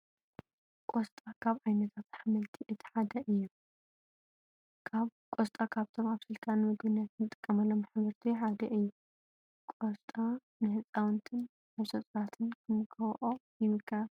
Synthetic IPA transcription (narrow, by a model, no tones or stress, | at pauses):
kʼost̪ʼakʰaβajnɐt̪ʰat̪ħamɐlt̪ʰiʔɨt̪ʰi̥ħad̪ɐʔɨjːu | kʰaβkʷʼost̪ʼakʰaβt̪ʰo̞maβsɨlt̪ʰʼanmɨɡbɨnjat̪nɨt̪ʼɨkʼːɐmɐlːo̞mħaβɐɾt̪ʰiħad̪ɐʔɨjːu | kʼost̪ʼa | nɨɦɨt͡sʼawnt̪ʰɨn | aβsɐt̪ʼɾat̪ʰɨnkʰɨmɨkʰɐwʔojɪmɨkʰa